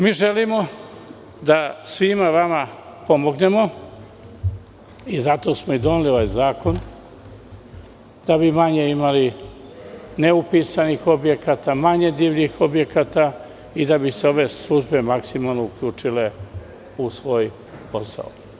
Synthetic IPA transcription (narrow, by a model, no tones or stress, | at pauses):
miːʒelimo̞ | d̪asʋimaʋamapo̞mo̞ɡne̞mo̞ | izat̪o̞smoid̪o̞nilio̞ʋajzaːko̞n | d̪̥abimaɲe̞imali | ne̞upiːsanixo̞bje̞kaːt̪amaɲe̞d̪iːʋʎixo̞bje̞kat̪a | id̪abiseo̞ʋe̞slˠuʒbe̞maksimalˠnoukʎuːt͡ʃile̞ | usʋo̞ːj | po̞sa̰o